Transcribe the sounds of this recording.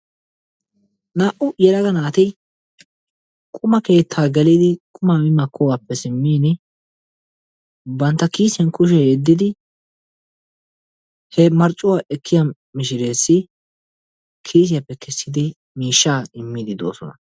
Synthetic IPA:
naːʔʊjɛɾɐɡɐnaːt̪ɪ | kʼʊmɐke̞ːt̪ʰːaːɡɛliːd̪ɪkʼʊmaːmɪmɐkʰːʊwaːpːɛsɪmːiːnɪ | bɐnt̪ːɐkiːsɪɛnkʊʃ̬ɛhed̪ːɪd̪ɪ | hɛmɐɾt͡ʃʼːʊwaːʔɛkʰːɪja | mɪʃɪɾeːsːɪ | kʰiːs̬ɪjapːɛkʰɛsːɪd̪ɪ | miːʃːaːɪmːɪd̪ɪd̪o̞̰ːsɔ̰nɐ̰

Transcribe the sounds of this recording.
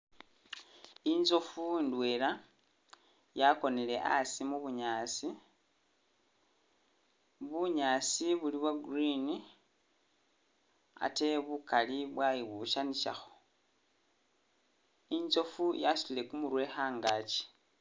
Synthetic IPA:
inzo̞fundwe̞la | jako̞nele̞ʔa̰simuβuɲaːt͡si | βuɲaːt͡siβuliβwaɡurini | a̰te̞βukaliβwajiβuʃaniʃa̰xo | inzo̞fujasu̥lilekumuɾwe̞xaːŋɡaci̥

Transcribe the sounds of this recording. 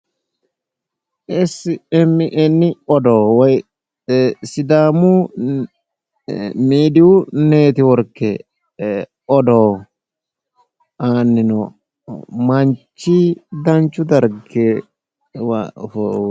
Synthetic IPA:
ɛsɛmːɪʔɛnːɪɔd̪oːwɔj | sɪd̪aːmu | miːd̪ɪʊneːt̪ɪwɔɾkːɛ | ɔd̪oː | aːnːɪnɔ | mɐnt͡ʃːid̪ɐnt͡ʃːʊd̪ɐɾɡe

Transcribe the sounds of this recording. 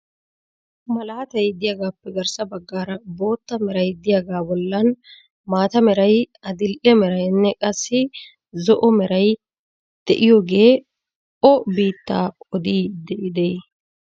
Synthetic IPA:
mɐlaːt̪ɐjd̪ɪjɐɡaːpːɛɡɐɾsɐbɐɡːaːɾɐbo̞ːt̪ːɐmɛɾɐjd̪ɪjaɡaːbɔlːɐn | maːt̪ɐmɛɾɐj | ɐd̪ɪlʔɛmɛɾɐjnːɛkʼɐsːɪ | zɔʔɔmɛɾɐj | d̪̥ɛʔɪjɔɡe̞ː | ɔbiːt̪ːaːɔd̪iːd̪ɛʔɪd̪ɛj

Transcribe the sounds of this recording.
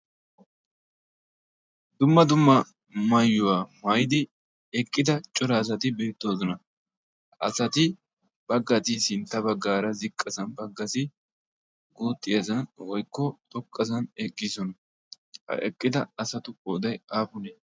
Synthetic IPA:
d̪ʊmːɐd̪ʊmːɐ | mɐjːʊwaːmajɪd̪ɪ | ɛkʼːɪd̪ɐt͡ʃʼɔɾɐːs̬ɐt̪ɪbe̞ːt̪ːo̞ːzɔnɐ | ʔɐ̰sɐt̪ɪ | b̥ɐɡːɐt̪ɪsɪnt̪ːɐbɐɡːaːɾɐzɪkʼːɐsɐnbɐɡːɐsɪ | ɡuːt̪ʼːɪjɐzɐnwɔjkːɔt̪ʼɔkʼːɐsɐnɛkʼːɪsɔnɐ | hɐ̰ʔɛkʼːɪd̪ɐɐsɐt̪ʊod̪ɐjaːpʊneː

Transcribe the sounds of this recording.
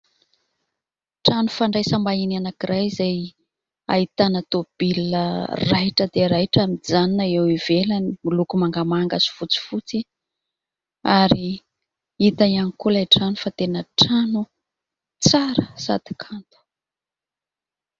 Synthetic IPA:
ʈ͡ʂanufaɳɖ͡ʐajsambainianakiɾʔajizaj | a̰it̪anət̪ob̥ilərajʈ͡ʂəd̪eɾajʈ͡ʂamid͡zaninaewivelanimilukumaŋɡamaŋɡasu̥fut͡si̥fut͡si | aɾi | it̪aanikulajʈ͡ʂanufat̪enəʈ͡ʂanu | t͡saɾəsa̰d̪i̥kʰant̪u̥

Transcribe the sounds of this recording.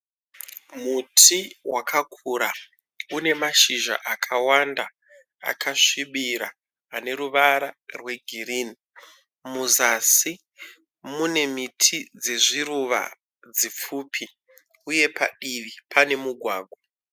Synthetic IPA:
mutʰiwakʰakʰuɾa | une̞maʃiʒa̰ʔakʰawanda | a̰kʰaʂiɓiɾaː | ne̞ɾuʋaɾarwe̞ɡʱirini | muzasi | mune̞mitʰid͡ze̞ʐiɾuʋa̰ | d͡zip͡fuːpʰi | uje̞pa̰ɗiʋipʰane̞muɡʱwaːɡʱwa

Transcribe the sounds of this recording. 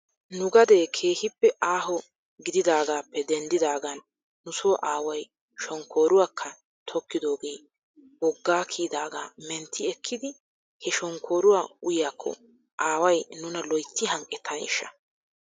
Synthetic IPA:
nʊɡɐd̪e̞ːkʰe̞ːhɪpːɛʔaːɦɔ | ɡɪd̪ɪd̪aːɡaːpːɛd̪ɛnd̪ɪd̪aːɡɐnː | ʊsoːʔaːwɐj | ʃɔŋkːo̞ːɾʊwaːkʰːɐ | t̪ʰɔkːɪd̪o̞ːɡeː | wɔɡːaːkʰiːd̪aːɡaːmɛnt̪ʰːɪɛkʰːɪd̪ɪ | hɛʃɔŋkʰːo̞ːɾʊwaːʊjaːkʰːɔ̰ | ʔaːwɐjnʊnɐlɔjt̪ːɪɦɐŋkʼːɛt̪ʰːɐnɪ̰ʃːɐ̰

